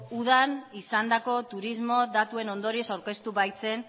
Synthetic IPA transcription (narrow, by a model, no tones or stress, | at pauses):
uð̞anisand̪ako̞t̪uɾizmo̞ðat̪ue̞no̞nd̪o̞ɾie̞sawɾke̞st̪uβajt͡se̞n